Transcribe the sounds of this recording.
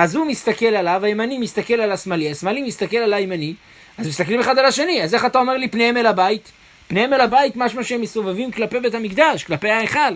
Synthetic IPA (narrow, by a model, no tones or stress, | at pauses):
azhumist̪ake̞lalavajemanimist̪ake̞lalasmaliasmalimist̪akelalajemani | azmist̪aklime̞χad̪alaʃe̞niaze̞χatao̞me̞ʁlipne̞hemelabait | pne̞he̞melabait̪maʃmaʃeemːeso̞vevimklape̞jbe̞thamikd̪aʃklape̞jhaeχal